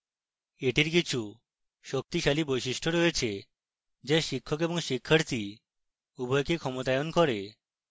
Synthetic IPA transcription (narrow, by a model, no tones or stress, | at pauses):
eʈiɾkit͡ɕʰu | ʃok̚t̪iʃalibojʃiʃʈʰoɾoet͡ɕʰe | d͡ʑeʃikʰːok̬eboŋʃikʰːaɾt̪i | ubʱɔjkikʰɔmot̪aeonkɔɾe